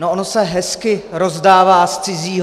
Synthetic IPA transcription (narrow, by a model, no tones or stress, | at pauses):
noʔonosɛɦɛskɪɾo̞zdaːvaːst͡sɪziːɦ